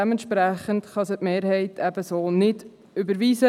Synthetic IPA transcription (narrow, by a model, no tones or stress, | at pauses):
ɛmənt̪ʃpɾæχəntχɑsətmeːɾhɛɪtʰɛb̥əsoːnɪd | ʏbəɾʋiːsə